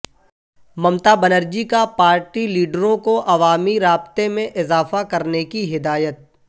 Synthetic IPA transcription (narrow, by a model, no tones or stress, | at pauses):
mɐmt̪abənəɾd͡ʒikapaːɾʈiliːɖɾõkoʔɐʋaːmiɾaːbt̪emẽʔɪzaːfakɐɾnekiɦɪd̪aːjət̪̚